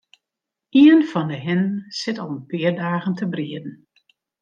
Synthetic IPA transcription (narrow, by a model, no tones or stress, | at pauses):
iənfɔndəɦɪnənsɪtɔlˠənpɪərdaːɣəntəbriədn̩